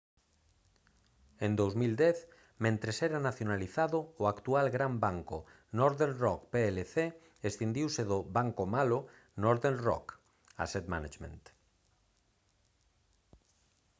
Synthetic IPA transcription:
ẽnd̪owzmild̪ɛθ | mẽnt̪ɾesɛɾanaθjonaliθaðʊːakt̪ualɡɾambaŋkʊ | nɔɾðeɾrɔkpeeleθe | est̪end̪iwseðʊβaŋkomalʊ | nɔɾðenrɔ̰k | a̰set̪manat͡ʃmḛ̃nt̪

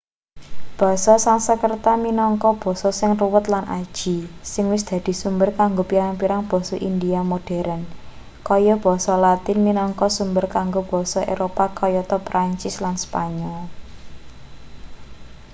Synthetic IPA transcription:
b̥ɔ̤sɔsansəkərt̪aminɔŋkɔb̥ɔ̤sɔsɪŋruwət̪lanʔḁʒ̥isɪŋwɪsd̪̥ä̤d̪̥i̤sumbərkaŋɡopiɾaŋpiɾaŋb̥ɔ̤sɔʔind̪iamoɖ̥ɛ̤ɾən | kɔjɔb̥ɔ̤sɔlat̪ɪnminɔŋkɔsumbərkaŋɡob̥ɔ̤sɔʔeɾopakʰɔjɔt̪ɔpɾaɲt͡ʃɪslanspaɲɔl

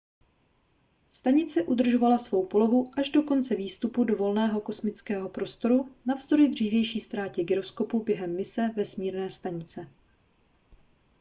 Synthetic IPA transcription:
st̪aɲɪt͡sɛʔud̪r̩ʒo̞valasvo̞wpo̞lo̞ɦuʔaʒdo̞ko̞nt͡sɛviːst̪upudo̞vo̞lnɛːɦo̞ko̞smɪt͡skɛːɦo̞pɾo̞st̪o̞ɾunavzd̪oɾjɪd̪r̝iːvjɛjʃiːst̪ɾaːcɛɡɪɾo̞sko̞pubjɛɦɛmːɪsɛvɛsmiːɾnɛːst̪aɲɪt͡sɛ

